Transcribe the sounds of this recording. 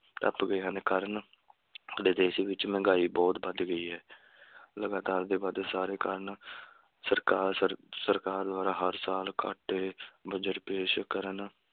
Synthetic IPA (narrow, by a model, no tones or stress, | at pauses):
ʈə̰pɡəeːɦə̃nekəɾən | d̪eːd̪eːʃiːʋɪt͡ʃmɛ̃ːɡaːiːbɔːt̪bəd̪ɡəiːɦɛː | ləɡaːt̪aːɾd̪eːbaːd̪saːɾeːkə̰ɾən | səɾkaːɾsəɾkaːɾd̪aːɾaːɦəɾsaːlkʰa̰ːʈeːbəd͡ʒəʈpeːʃkəɾən